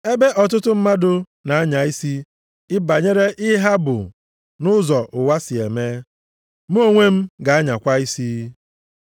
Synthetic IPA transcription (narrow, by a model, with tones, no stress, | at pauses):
e˦be˦ʔɔ˨t̬ʊ˦tʊ˦m̩˦ma˦dʊ˦ | na˨a˦ɲa˨i˦si˦ | ɪ˦ba˨ɲe˦ɾe˦ʔɪ˦ɦa˦bʊ̰˨ | nʊ˦zɔ˨ʔʊ˨wa˦sɪ˨e˨me˦ | m˦o˦ŋʷe˦m̩˦ɡa˨a˦ɲa˨kʷa˦i˦si˦